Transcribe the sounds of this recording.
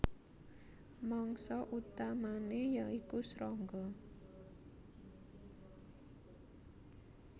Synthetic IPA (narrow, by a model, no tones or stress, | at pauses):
mɔŋsɔʔut̪amanejaŋikusɾɔŋɡɔ